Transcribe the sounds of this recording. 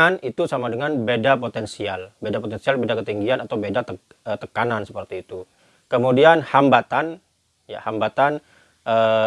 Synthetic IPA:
anit̪usamadəŋanbedapot̪ɛnsialbedapot̪ɛnsialbedakət̪iŋɡianat̪awbedat̪ə | ət̪əkanansəpərt̪iːt̪u | kəmudianhambat̪an | ja̰hambat̪an | ʔə

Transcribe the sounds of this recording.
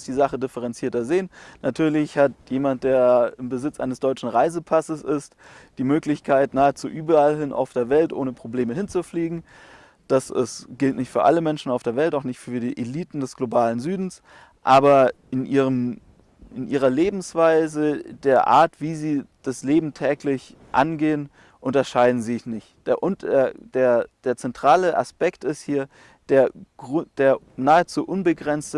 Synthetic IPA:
sd̥iːzaχədɪfəʁ̞ɛnt͡siːɐtɐzeːənnatʰyːɐlɪçhatjeːmant̚d̥eːɐɪmbəzɪt͡sʔa̰ɪnəsd̥ɔʏt͡ʃn̩ʁaɪzəpʰasəsɪst | d̥iːmøːklɪçkʰaɪtnaːət͡suːʔyːbɐalɦɪnʔa̰ʊfd̥eːɐvɛltʔo̰ːnəpʁ̥obleːməɦɪnt͡sufliːɡŋ̩ | d̥asɪ̰sɡ̥ɪltnɪçtfyːɐʔa̰ləmɛnʃn̩aʊfd̥eːɐvɛltaʊxnɪçtfyːɐdiːʔeliːtn̩dɛsɡ̥lobaːlənzyːdn̩s | ʔaːbɐʔɪnʔiːʁəm | ʔɪnʔiːʁɐleːbm̩sv̥aɪzədeːɐʔa̰ːɐtv̥iːziːd̥asleːbm̩tʰɛːklɪçʔanɡeːən | ʔʊntɐʃaɪdn̩zinɪçtd̥eːɐʔʊnːɐd̥eːɐd̥eːɐt͡sɛntʁ̥aːləʔa̰spɛktɪsthiːɐ | d̥eːɐɡ̥ʁʊd̥eːɐ | naːət͡suːʔʊnbəɡʁɛnt͡stə

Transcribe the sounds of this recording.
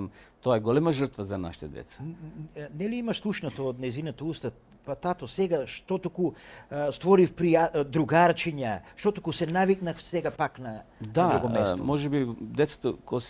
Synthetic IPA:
mt̪oaɛɡɔlɛmaʒəɾt̪vazana̰ʃi̥t̪ɛd̪ɛ̰t̪sḁnɛliimaʃslˠuʃnat̪oːd̪nɛjzinat̪aust̪a | pat̪at̪osɛɡaʃt̪ot̪okust̪vɔɾifpɾiad̪ɾuɡaɾt͡ʃiɲaʃt̪ot̪okusɛnaviknafsɛɡapaknad̪ad̪uɡɔmɛst̪ɔmɔʒɛbid̪ɛt̪sḁt̪okos

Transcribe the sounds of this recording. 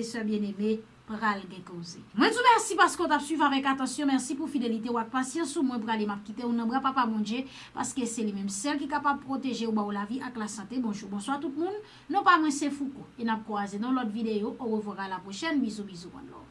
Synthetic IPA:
esɛbjɛ̃neme | pʁalɡɛ̃kozemwɛ̃d͡zumɛʁsipaʁskot̪apsɥivavɛkat̪ɑ̃sjɔ̃mɛʁsipufidelit̪̬eoak̚pasjɑ̃sumw̃ɛ̃puɣalemap̚kit̪eunɐ̃bʁãpapamɔ̃d͡ʒje | pa̰ʁskeselimɛ̃msɛlkikapab̚pʁot̪eʒeubaolaviʔaklasɑ̃t̪ebɔ̃ʒuʁbɔ̃swaʁt̪ut̚mũnː | ɔ̃pamwɛ̃sefukoenap̚kwazenɔ̃lɔtvid̪eoʔoʁəvwɔʁalapʁoʃɛnbizũbizukɔ̰̃dlɔ̰

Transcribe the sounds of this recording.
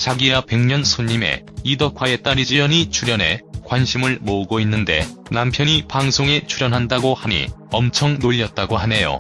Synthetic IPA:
t͡ɕaɡiape̞ŋɲʌnsʰoɲːime̞̰idʌkʰwae̞t͈aɾid͡ʑijʌɲit͡ɕʰuɾjʌne̞̰kwanɕʰimɯɭmouɡoinːɯnde̞̰ | nampʰjʌɲipaŋsʰoŋe̞t͡ɕʰuɾjʌnɦandaɡohaɲḭʌmt͡ɕʰʌŋnoʎːʌt̚t͈aɡohane̞jo̰

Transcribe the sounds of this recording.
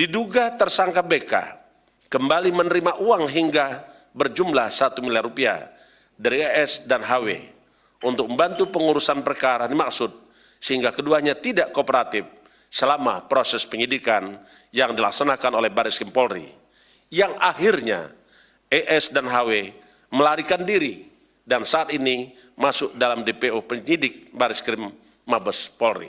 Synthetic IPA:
diduɡat̪ərsaŋkabeka̰ | kəmbalimənəɾimaʔuaŋɦiŋɡa | bərd͡ʒumlahsat̪umilarupia̰ | daɾieʔɛsdanɦawḛ | unt̪ʊk̚məmbant̪upəŋuɾusanpərkaɾanimaksʊt̪̚ | səɦiŋɡakəduaɲat̪idaʔkopəɾat̪ɪf | səlama̰pɾosɛspəɲidikan | jaŋdilaksanakanolɛhbaɾɪskɾimpɔlrḭ | jaŋahirɲa̰ | ɛʔɛsdanɦawe | məlaɾikandiɾi | dansaat̪ini | masʊk̚dalamdepeopəɲidɪk̚baɾɪskɾimː | abəspɔlrḭ

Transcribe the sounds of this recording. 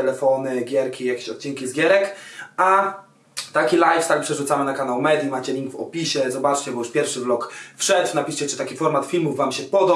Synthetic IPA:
ɛlɛfɔnɘɡʲjɛɾkʲijakʲeɕɔt̪̚t͡ɕiŋkʲizɡʲjɛɾɛka | t̪akʲilajtt̪ak̚pʂɛʐut̪samɘnakanawmɛd̪ʲjimat͡ɕɛlʲiŋɡvɔ̰pʲiɕɛzɔbat͡ʂt͡ɕɛbɔjuʂpʲjɛɾfʂɘvlɔkfʂɛt̪napʲiʂt͡ɕɛt͡ʂɘ̥t̪akʲifɔɾmat̪fʲilmuvːamɕɛpɔd̪ɔ

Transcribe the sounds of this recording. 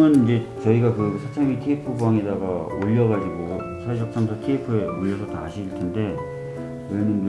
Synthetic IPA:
ɯnid͡ʑe̞t͡ɕʌiɡakɯsʰat͡ɕʰeŋitʰiepʰɯbuaŋedaɡaoʎːʌɣad͡ʑiɡo | sʰaed͡ʑ̬ʰʌk̚t͡ɕʰamtʰʌtʰiepʰɯeoʎːʌs̬ʰʌtaːɕʰiiɭtʰende̞ | weɭnɯn

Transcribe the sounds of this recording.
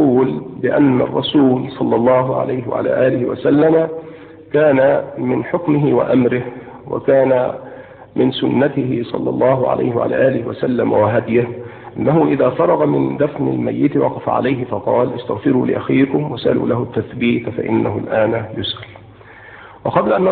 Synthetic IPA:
uːlbɪʔanːa̰rˤːɑsuːlsˤɑlːɑlˤːɑːɦʊʕa̰lajhɪwa̰ʕa̰la̰ːʔaːlɪhɪwasalːama | kaːnamɪnħʊkmɪɦɪwa̰ʔamɾɪh | wa̰kaːna | mɪnsʊnːat̪ɪhɪsˤɑ̰lːɑ̰lˤːɑːɦʊʕa̰la̰jhɪwa̰ʕala̰ːʔaːlɪhɪwasalːamawaɦad̪ja | ʔɪnːaɦʊʔɪðaːfɑɾˤɑɣɑmɪnd̪afnɪ̰lmajːɪt̪wɑqɑfa̰ʕa̰lajɦɪfɑqɑːlʔast̪aɣfɪɾuːlɪ̰ʔaxiːkʊmwasʔalṵːlahʊt̪ːaθbiːt̪fa̰ʔɪnːaɦʊlʔaːnajʊsʔal | wɑqɑblaʔanː

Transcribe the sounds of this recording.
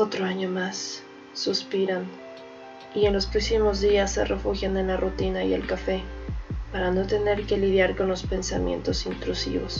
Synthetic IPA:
ot̪ɾoaɲo̞masː | uspiɾan | ie̞nlo̞spɾoksimo̞zðiasːḛrefuxjane̞nlarut̪inaḭe̞̰lkafe̞paɾano̞t̪e̞ne̞ɾke̞lið̞jaɾko̞nlo̞spe̞nsa̰mje̞̰nt̪o̞sint̪ɾusḭβo̞s

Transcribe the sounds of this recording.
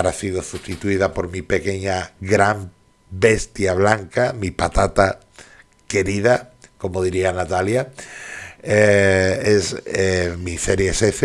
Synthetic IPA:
ɾasiɣosust̪it̪uiðapoɾmipekeɲaɡɾam | best̪jaβlaŋkamipat̪at̪a | keɾiðakomoð̞iɾianat̪alja | eesemiseɾjesefe

